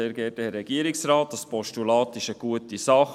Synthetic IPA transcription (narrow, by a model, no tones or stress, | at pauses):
eːɾɡɛːtəɾɛɡ̥iəɾɪksɾɑːt̚d̥ɑspɔʃtulɑːt̪ɪʃəɡ̥uətisɑχ